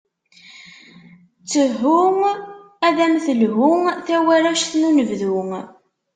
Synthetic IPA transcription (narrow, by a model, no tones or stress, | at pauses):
t͡sːəɦʊŋ | æðæmθəlɦʊŋθæwæɾæʃθnunəvðuŋ